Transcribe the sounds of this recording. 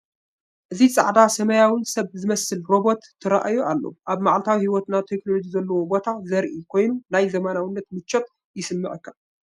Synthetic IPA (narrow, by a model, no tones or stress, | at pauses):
ʔɨzit͡sʼa̰ʕd̪asɐmɐjawɨnsɐβzɨmɐsɨlɾo̞bo̞t̪ʰːɨɾa̰ʔajuʔalːo̰ʔaβmaʕalt̪ʰawihiwɔt̪nat̪ʰeknolo̞d͡ʒizɐlːɐwobo̞t̪ʰazɐɾʔikʰo̞jnunajzɐmanawɨnːɐt̪mɨt͡ʃːot̪ | jɪsɨmːɨʕɨkːa